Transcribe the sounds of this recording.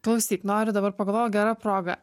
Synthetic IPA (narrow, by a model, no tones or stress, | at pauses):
klˠɐʊsʲiːt̪ʲnoːɾʲʊd̪ɐbɐɾpɐɡɐlˠʋoːjɡʲæːɾɑpɾoːɡɐ̰